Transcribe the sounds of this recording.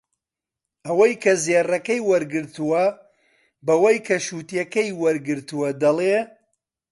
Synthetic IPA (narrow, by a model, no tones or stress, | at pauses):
ʔɐwɐjkʰɐzerɐkɐjwɐɾɡɨɾt̪uwɐ | bɐwɐjkʰɐʃuːt̪jɐkɐjwɐɾɡɨɾt̪uwɐd̪ɐlˠeː